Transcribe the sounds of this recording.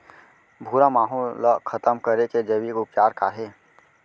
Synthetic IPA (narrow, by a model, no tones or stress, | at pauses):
bʱuːɾamaːɦolakʰət̪əmkəɾeked͡ʒəʋiːkʊpt͡ʃaːɾkaːɦeː